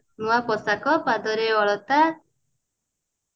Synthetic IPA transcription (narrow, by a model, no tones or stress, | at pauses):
nũapɔsakɔpad̪ɔɾeɔɭɔt̪a